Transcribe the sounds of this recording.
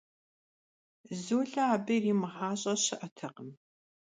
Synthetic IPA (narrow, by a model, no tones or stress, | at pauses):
zoːɮɐaːbɐjriːmɨħaːɕʼɐɕɐʔɐtʰɐqəm